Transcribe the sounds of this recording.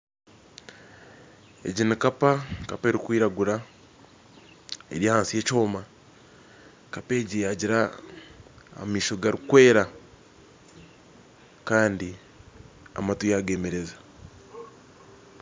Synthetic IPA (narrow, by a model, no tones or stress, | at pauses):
ḛɟinikapakape̞ːɾikwiːɾaɡuɾa | ḛɾjihaːnsije̞ːco̞ːma | kape̞ːɟijaɟiɾa | a̰miːʃo̞ɡaɾikwe̞ːɾa | kaːndi | a̰matujaɡe̞me̞ɾeza